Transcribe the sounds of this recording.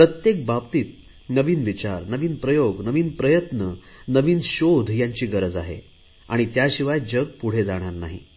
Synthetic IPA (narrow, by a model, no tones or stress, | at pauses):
pɾət̪jek̚bap̚t̪iːt̪̚ | nəʋiːnʋit͡ɕaɾnəʋiːnpɾəjoɡnəʋiːnpɾəjət̪nə | nəʋiːnɕod̪ʱjaɲt͡ɕiːɡəɾəd͡za̰ɦḛ | a̰ɽ̃it̪jaɕiʋajd͡ʑəɡ̚puɽ̤ed͡zaɽ̃aɾna̰ɦḭ